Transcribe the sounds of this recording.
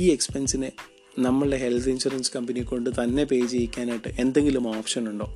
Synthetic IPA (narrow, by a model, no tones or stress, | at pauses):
iːekspensinɨ | nɐmːɐɭɨɽe̞ɦe̞lt̪ʰind͡ʑɐrinskɐmbɐnikʲːo̞ɳɖɨt̪ɐnːe̞pe̞ːd͡ʑejikʲːaːnajʈːɨʔe̞nd̪e̞ŋɡilumoːfʂɐnuɳɖo̞̰ː